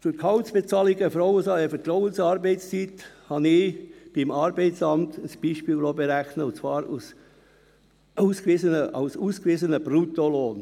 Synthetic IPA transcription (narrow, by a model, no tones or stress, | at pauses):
fyɾkʰɑʊsb̥et͡sɑːliɡəfɾɔʊəsɑəfət̪ɾɔʊənsɑːɾbɛɪtst͡sithɑnɪb̥ɪmɑːɾbɛɪtt͡sɑmtəsb̥iːʃpiːllobeɾæxnəʊnt͡svɑːɾṵs | ʔuːskviːzənəʔa̰ʊsuːskviːzənəb̥ɾutoloːn